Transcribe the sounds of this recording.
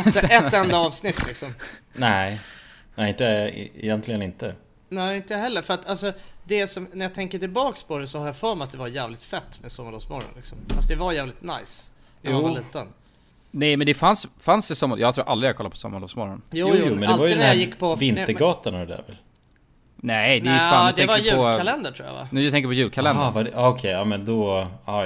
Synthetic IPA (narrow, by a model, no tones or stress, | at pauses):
ɛɛt̪ːɛnd̪aɑːvsnɪt̪ːlɪksɔmnæɪɛɪnt̪ɛ̰jɛnt̪ʰlɪɡənɪnt̪ə | næːɪnt̪əhɛlːəɾfœɾat̪ʰalsɔd̪ɛsɔmnæɾjɑt̪ʰɛŋkəʈɪlbɑːkspʰɔd̪ɛsɔhaɾjafœːɾmɛat̪̚d̪ɛvaɾjæːvlɪt̪fɛt̪ːmɛsɔmːalɔvsmɔɾɔ̰nlɪksɔma̰sɔd̪ɛvaɾjæːvlɪt̪na̰js | aːaliːt̪ən | nɛjmɛnd̪ɛfansfansd̪ɛsɔmːajɑːɡt̪ʰɾuːɾʔa̰ld̪ɾɪjaɡkʰɔlːaɾpʰɔsɔ̰mːaɾɭoːsmɔɾɔnjuːjjuːɛnd̪ɛlɛvaɾj̪nhæjɪkːpʰɔvɪnt̪əɾɡɑːt̪anaɾɛd̪æ̰ːɾvɛ̰l | nɛd̪ɛjfad̪ʰɛŋkajʉɔalɛnd̪əʈʰɾuːja̰va̰nʉːjat̪ɛŋk̬əɾpʰɔjʉ̟ːlkʰalɛndvadɛɑɔkʰɛjɑːmɛnd̪ɔɑ